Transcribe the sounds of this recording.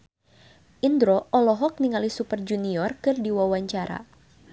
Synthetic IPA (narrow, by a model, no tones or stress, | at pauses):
ʔindɾɔʔɔlɔɦɔk̚niŋalisupərd͡ʒuniɔrkɨrdiwawaɲt͡ʃaɾa̰